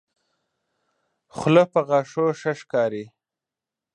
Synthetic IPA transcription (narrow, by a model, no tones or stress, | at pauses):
xlopəɣɑːʂoʃəʂkɑːɾi